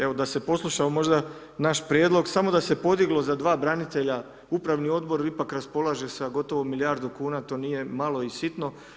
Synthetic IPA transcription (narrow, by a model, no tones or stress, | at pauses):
e̞ʋo̞d̪ase̞po̞slˠuʃaomo̞ʒd̪a | naʃpɾjeːd̪lo̞ɡsamo̞d̪ase̞po̞d̪iɡlo̞zad̪ʋaːbɾanit̪e̞ʎa | upɾaʋnio̞d̪bo̞ɾipakɾaspo̞lˠaʒe̞sɡo̞t̪o̞ʋomiljaɾd̪ukuːnat̪o̞ːnije̞malˠo̞isit̪no̞